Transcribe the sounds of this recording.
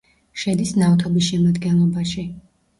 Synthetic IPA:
ʃɛd̪isnavt̪ʰɔbisʃɛmad̪ɡɛnlˠɔbaʃi

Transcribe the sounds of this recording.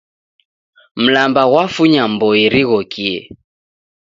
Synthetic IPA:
m̩lambaɣwafuɲambɔiɾiɣɔkiɛ̰

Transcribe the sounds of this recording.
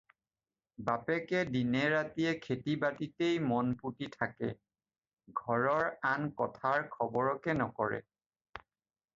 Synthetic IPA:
bapɛkɛdinɛɹatijɛkʰetibatitejmɔnputitʰakɛ̰ | ɡʱɔɹɔɹankɔtʰaɹkʰɔbɔɹɔkɛnɔkɔɹɛ̰

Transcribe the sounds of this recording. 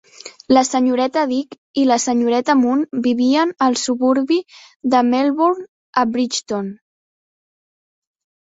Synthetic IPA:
ləsəɲuɾɛt̪əðik | iləsəɲuɾɛt̪əmunbiβiənəlˠsuβuɾβi | d̪əmelβoɾn | əbɾit͡ʃt̪on

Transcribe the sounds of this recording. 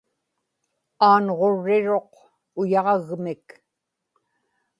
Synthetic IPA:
aːnʁo̞ɻːɪɻo̞q | ʊjɑʁɑɣmɪk

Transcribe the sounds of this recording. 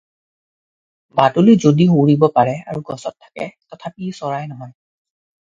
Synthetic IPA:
batulizodiɦoɹibɔpaɹɛa̰ɹuɡɔsɔtʰːḁkɛ̰tɔtʰapisɔɹajnɔɦɔj

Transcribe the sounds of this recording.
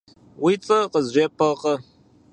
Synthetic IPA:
wit͡sʼɐqəzʒʷepʰɐqʼɐ

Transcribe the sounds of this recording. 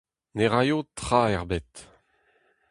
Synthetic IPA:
neʁajot̪χaɛʁbɛt̪

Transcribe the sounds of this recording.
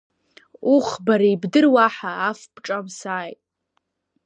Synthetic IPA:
uχbaɾaibdɨrwaħaːfpʰʼʈ͡ʂʼamsaːjtʼ

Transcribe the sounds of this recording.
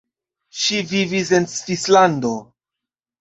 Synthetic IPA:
ʃivivis̬e̞nsfislando̞

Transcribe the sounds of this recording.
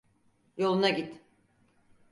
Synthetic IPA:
jo̞lˠunaɟit̪

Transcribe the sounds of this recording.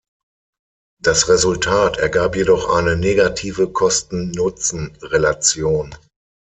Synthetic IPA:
d̥asʁezʊltʰaːtʰɛɐɡaːpjedɔχʔa̰ɪnəneːɡatʰiːvəkʰɔstn̩nʊt͡sn̩ʁelat͡sjoːn

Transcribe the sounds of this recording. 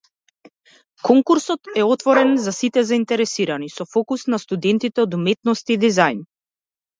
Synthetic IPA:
kɔŋkuɾsɔt̪ɛɔt̪vɔɾɛnzasit̪ɛzaint̪ɛɾɛsiɾanisɔfɔkusnast̪ud̪ɛnt̪it̪ɛɔd̪umɛt̪nɔst̪id̪izajn

